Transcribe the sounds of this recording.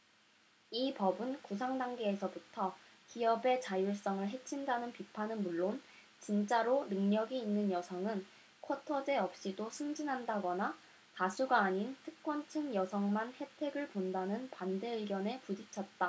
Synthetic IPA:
ipʌbɯnkus̬ʰaŋdaŋɡe̞ːsʰʌbutʰʌkiʌbe̞t͡ɕajuɭs͈ʌŋɯɭɦe̞t͡ɕʰindanɯnpipʰanɯnmuɭːon | t͡ɕint͡ɕ͈aɾonɯŋɲʌɡiːnːɯnjʌsʰʌŋɯn | kʰʌtʰʌd͡ʑe̞ʌp̚ɕ͈idosʰɯŋd͡ʑinɦandaɡʌna | tasʰuɡaːɲintʰɯ̥k̚k͈wʌnt͡ɕʰɯŋjʌsʰʌŋmanhe̞tʰe̞ɡɯɭpondanɯnpande̞ɯɭɡjʌne̞pud͡ʑit͡ɕʰʌt̚t͈a

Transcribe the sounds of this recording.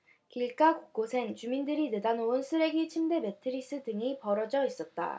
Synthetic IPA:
kiɭk͈akok͈osʰent͡ɕumindɯɾinedanoonsʰɯɾe̞ɡit͡ɕʰimde̞me̞tʰɯɾis͈ɯdɯŋipʌɾʌd͡ʑʌis͈ʌt̚t͈a̰

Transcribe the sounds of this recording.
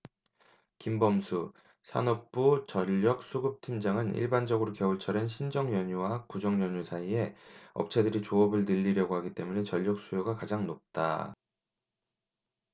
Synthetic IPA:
kimbʌmsʰu | sʰa̰nʌk̚p͈ut͡ɕʌʎːʌk̚s͈ʰuɡɯp̚tʰimd͡ʑaŋɯnʔḭɭband͡ʑʌɡɯɾokʌuɭt͡ɕʰʌɾenɕʰind͡ʑʌŋjʌɲuwakud͡ʑʌŋjʌɲusʰaie̞ʌ̰p̚t͡ɕʰedɯɾit͡ɕoʌbɯɭnɯʎːiɾjʌɡohaɡit͈e̞mune̞t͡ɕʌʎːʌk̚s͈ujoɡakad͡ʑaŋnop̚t͈a̰

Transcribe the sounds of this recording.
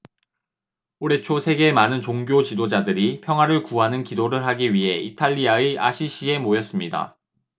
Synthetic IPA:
oɾe̞t͡ɕʰosʰe̞ɡe̞manɯnt͡ɕoŋɡjot͡ɕidod͡ʑadɯɾipʰjʌŋɦwaɾɯɭkuɦanɯnkidoɾɯɭɦaɡiɥiɦe̞itʰaʎːiaeʔa̰ɕʰiɕ͈ʰie̞mojʌs͈ɯmɲida̰

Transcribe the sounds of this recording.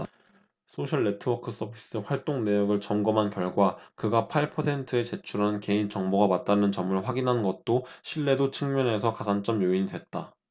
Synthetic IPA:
sʰoɕʰʌɭːe̞tʰɯwʌkʰɯs͈ʰʌbʰi̥s͈ɯɸwaɭt͈oŋne̞jʌɡɯɭt͡ɕʌmɡʌmɦankjʌɭɡwakɯɡapʰaɭpʰʌsʰe̞ntʰɯe̞t͡ɕe̞t͡ɕʰuɾɦanɯnke̞int͡ɕʌŋboɡamat̚t͈anɯnt͡ɕʌmɯɭɸwaɡinɦanɡʌt̚t͈oɕʰiɭːe̞dot͡ɕʰɯŋmjʌne̞sʰʌkasʰant͡ɕ͈ʌmjoiɲidwe̞t̚t͈a

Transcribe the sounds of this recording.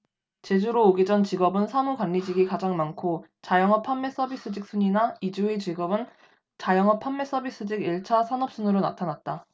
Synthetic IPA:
t͡ɕe̞d͡ʑuɾoːɡid͡ʑʌnt͡ɕiɡʌbɯnsʰamukwanːid͡ʑiɡikad͡ʑaŋmankʰot͡ɕajʌŋɦʌpʰamːe̞s͈ʌbis͈ɯd͡ʑik̚s͈uɲinaid͡ʑuet͡ɕiɡʌbɯn | t͡ɕajʌŋʌpʰamːe̞s͈ʌbis͈ɯd͡ʑiɡiɭt͡ɕʰasʰanʌp̚s͈unɯɾona̰tʰanat̚t͈a

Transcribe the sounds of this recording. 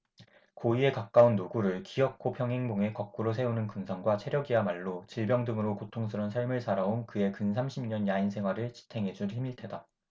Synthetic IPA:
koie̞kak̚k͈aunːoɡuɾɯɭkijʌk̚kʰopʰjʌŋɦe̞ŋboŋe̞kʌk̚k͈uɾosʰe̞unɯnkɯnsʰʌŋɡwat͡ɕʰeɾjʌɡiamaɭːot͡ɕiɭbjʌŋdɯŋɯɾokotʰoŋsʰɯɾʌnsʰʌɭmɯɭsʰaɾaonkɯe̞kɯnsʰamɕʰimɲʌnjainsʰe̞ŋɦwaɾɯɭt͡ɕʰi̥tʰe̞ŋɦe̞d͡ʑuɭçimiɭtʰe̞da

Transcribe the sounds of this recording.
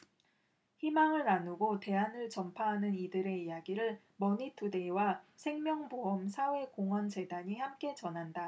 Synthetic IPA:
çimaŋɯɾanuɡote̞anɯɭt͡ɕʌmpʰaɦanɯnidɯɾe̞ijaɡiɾɯɭ | mʌɲitʰɯde̞wasʰe̞ŋmjʌŋboʌmsʰawe̞koŋʌnd͡ʑe̞daɲihamk͈e̞t͡ɕʌnɦanda

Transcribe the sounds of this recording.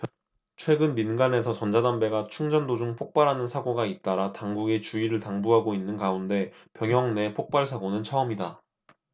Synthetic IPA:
t͡ɕʰwe̞ɡɯnminɡane̞sʰʌt͡ɕʌnd͡ʑadambe̞ɡat͡ɕʰuŋd͡ʑʌndod͡ʑuŋpʰok̚p͈aɾɦanɯnsʰaɡoɡait̚t͈aɾataŋɡuɡet͡ɕuiɾɯɭtaŋbuɦaɡoinːɯnkaunde̞ | pjʌŋɦjʌŋne̞pʰok̚p͈aɭsʰaɡonɯnt͡ɕʰʌʌmida

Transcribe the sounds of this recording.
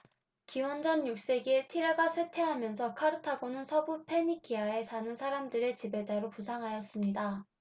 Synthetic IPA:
kiwʌnd͡ʑʌnjuk̚s͈e̞ɡietʰiɾaɡasʰwe̞tʰe̞ɦamjʌnsʰʌkʰaɾɯtʰaɡonɯnsʰʌbupʰe̞ɲikʰiae̞sʰanɯnsʰaɾamdɯɾe̞t͡ɕibe̞d͡ʑaɾopusʰaŋɦajʌs͈ɯmɲida

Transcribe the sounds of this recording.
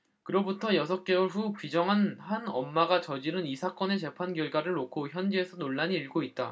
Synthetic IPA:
kɯɾʌbutʰʌjʌsʰʌk͈eɸukɥid͡ʑʌŋɦanhanʌmːaɡat͡ɕʌd͡ʑinɯnisʰak͈ʌne̞t͡ɕe̞pʰanɡjʌɭɡwaɾɯɭnokʰoçjʌnd͡ʑie̞sʰʌnoɭːaɲiːɭɡoit̚t͈a

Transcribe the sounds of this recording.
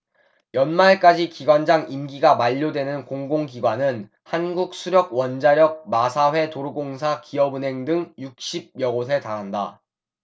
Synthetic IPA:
jʌnmaɭk͈ad͡ʑikiɡwand͡ʑaŋimɡiɡamaʎːodwe̞nɯnkoŋɡoŋɡiɡwanɯn | hanɡuk̚s͈ʰuɾjʌɡ̚wʌnd͡ʑaɾjʌk̚masʰawe̞toɾuɡoŋs̬ʰakiʌbunɦe̞ŋdɯŋjuk̚ɕ͈ʰib̚jʌɡos̬ʰe̞taɾɦanda

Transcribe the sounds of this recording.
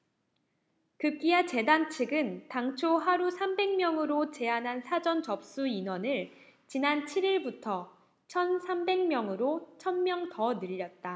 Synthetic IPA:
kɯk͈iat͡ɕe̞dant͡ɕʰiɡɯntaŋt͡ɕʰoɦaɾusʰambe̞ŋmjʌŋɯɾot͡ɕe̞anɦansʰad͡ʑʌnt͡ɕʌp̚s͈uinwʌnɯɭ | t͡ɕinant͡ɕʰiɾiɭbutʰʌ | t͡ɕʰʌnsʰambe̞ŋmjʌŋɯɾot͡ɕʰʌnmjʌŋtʌnɯʎːʌt̚t͈a

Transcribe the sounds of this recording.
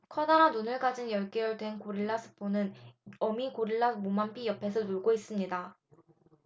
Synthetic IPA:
kʰʌdaɾanunɯɭkad͡ʑinjʌɭk͈ejʌɭdwe̞nkoɾiɭːasʰɯ̥pʰonɯnʌmikoɾiɭːamomampʰijʌpʰe̞sʰʌnuɭɡois͈ɯmɲida

